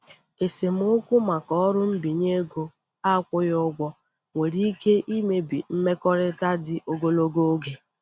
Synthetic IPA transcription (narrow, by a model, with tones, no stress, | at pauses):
e˨se˨m̩˦ʊ˦kʷʊ˦ma˨kɔ˦ɾʊ˦m̩˦bi˨ɲe˦ɡo˨ | a˦kʷʊ˦jʊ˦ɡʷɔ˦ | ŋʷe˨ɾi˦ke˦ʔi˦me˨bi˨m̩˦me˦kɔ˦ɾɪ˦ta˦dɪ˦ʔo˦ɡo˦lo˦ɡo˦ɡe˨